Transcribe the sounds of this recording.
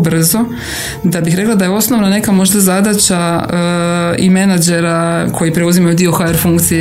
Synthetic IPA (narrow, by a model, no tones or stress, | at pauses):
br̩zo̞ | d̪abixɾe̞klad̪ajeo̞sno̞ʋnane̞kamo̞ʒd̪azad̪at͡ɕa | ḭme̞nad͡ʒe̞ɾakʰo̞jipɾe̞uzimajud̪io̞xaeɾfuŋkt̪sije